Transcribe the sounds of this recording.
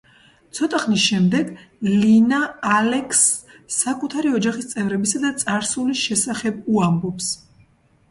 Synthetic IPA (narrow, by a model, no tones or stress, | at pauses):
t̪sʰɔt̪ʼaχnisʃɛmd̪ɛɡlinaːlɛkʰsːakʼut̪ʰaɾiɔd͡ʒaχist̪sʼɛvɾɛbisad̪at̪sʼaɾsuliʃɛsaχɛbuambɔps